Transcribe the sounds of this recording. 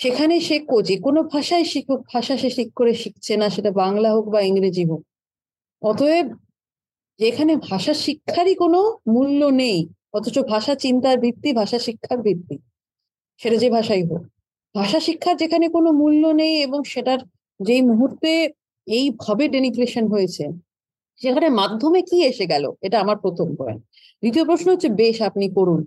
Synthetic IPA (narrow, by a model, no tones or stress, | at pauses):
ʃekʰaneʃekod͡ʑekonobʱaʃaeʃikʰok̚bʱaʃaʃeʃikʰːoɾeʃik̚t͡ɕʰenaʃeʈabaŋlaɦok̚baiŋɾed͡ʑiɦok̚ | ɔt̪oe | d͡ʑekʰanebʱaʃaʃikʰːaɾikonomulːonej | ɔt̪ot͡ɕobʱaʃat͡ɕint̪aɾbʱit̪ːibʱaʃaʃikʰːaɾbʱit̪ːi | ʃeʈad͡ʑebʱaʃajɦok̚ | bʱaʃaʃikʰːaɾd͡ʑekʰanekonomulːonejeboŋʃeʈaɾ | d͡ʑejmuɦuɾt̪e | ejbʱabeɖeniɡɾeʃonɦojet͡ɕʰe | d͡ʒekʰanemad̪ʱːomekieʃeɡɛlo̰eʈaamaɾpɾot̪ʰomkɔḛn | ɾit̪jopɾoʃnoɦotːɕʰebeʃapnikoɾun